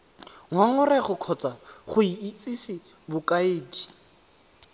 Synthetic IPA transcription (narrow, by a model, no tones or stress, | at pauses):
ŋwaŋʊrɛχʊkʰɔt͡sʼaχʊiit͡sʼisɪ | bʊkʼaeːdi